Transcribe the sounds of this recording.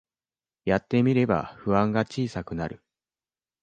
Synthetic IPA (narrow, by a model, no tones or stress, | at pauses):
jat̪ːe̞mʲiɾe̞ba̰ɸɯ̟βãŋɡat͡ɕiːsakɯ̟naɾɯ̟